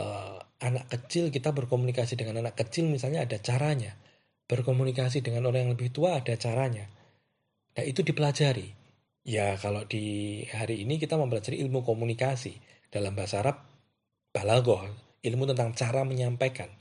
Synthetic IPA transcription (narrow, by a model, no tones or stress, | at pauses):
ʔəanakːət͡ʃɪlkit̪abərkomunikasidəŋananakːət͡ʃɪlmisalɲaːdat͡ʃaɾaɲa | b̥ərkomunikas̬idəŋanoɾaŋjaŋləbɪht̪uaːdat͡ʃaɾaɲa | nait̪udipəlad͡ʒaɾi | jakalodihaɾiːnik̬it̪aməmpəlad͡ʒaɾiʔilmukomunikasḭ | d̥alambasaɾap̚ | b̥alaɡɔh | ilmut̪ənt̪aŋt͡ʃaɾaməɲampakan